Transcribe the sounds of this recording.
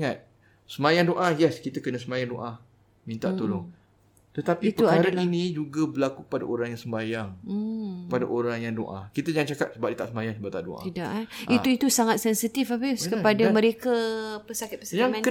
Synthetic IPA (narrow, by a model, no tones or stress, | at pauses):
ŋat̪̚ | səmajaŋdoʔajɛskit̪akənasəmajaŋdoʔa | mĩnt̪aʔt̪oloŋ | t̪ət̪apit̪əuaadalinĩd͡ʒuɡabəlakukə̥pada̰ʔoɾaŋjaŋsəmbajaŋ̩kəpada̰ʔoɾaŋjaŋdo̰ʔa̰kit̪əd͡ʒaŋat̪̚t͡ʃakat̪̚səbap̚diət̪aʔsəmajaŋsəbap̚t̪aʔdo̰ʔat̪idaʔaiuit̪usaŋat̪̚sɛnsit̪ifabiskəpadamə̃ɾekapəsakɪt̪̚pəsajaŋmɛ̃nə